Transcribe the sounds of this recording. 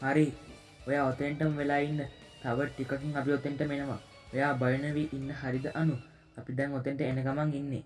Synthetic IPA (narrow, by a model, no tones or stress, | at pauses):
haɾi | ojaːot̪eɳʈəməʋelaːinːə | t̪aʋəʈikakiŋap̬iot̪eɳʈəmenəʋa̰ | ojaːbajənəʋiːʔinːəɦaɾid̪əʔanu | apid̪ɛŋot̪eɳʈəenəkamaŋinːe